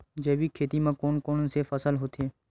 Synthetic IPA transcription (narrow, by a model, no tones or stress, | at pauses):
d͡ʒeːʋiːkʰeːt̪imãkoːnkoːnsefəsəlɦoːt̪ʰeː